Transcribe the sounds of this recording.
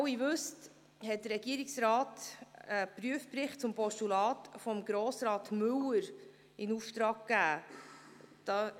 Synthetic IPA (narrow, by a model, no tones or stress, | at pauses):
wivʉst | hɛt̚d̪əɾːɛɡ̥iəɾɪksɾɑːtəpryəfpɾɪχt̚t͡sʊmpɔʃtulɑːtfɔmɡɾoːsɾɑːtmʉwəɾ | ɪnuftɾɑːɡ̚kːæː | d̥ɑː